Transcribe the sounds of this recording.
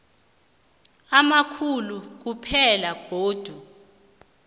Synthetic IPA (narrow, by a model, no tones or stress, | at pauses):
amakʰuluk̬upʰɛlaɡ̥ʱoːd̥ʱu